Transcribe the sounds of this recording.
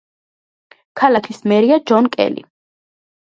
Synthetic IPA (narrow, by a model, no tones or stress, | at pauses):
kʰalakʰismɛɾiad͡ʒɔnkʼɛ̰lḭ